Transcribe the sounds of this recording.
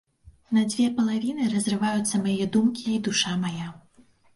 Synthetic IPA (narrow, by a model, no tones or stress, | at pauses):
nɐd͡zʲvʲɛpɐlˠavʲinɨɾɐzʲrɨvajut̪sːɐmajɛd̪umkʲiːd̪uʂamaja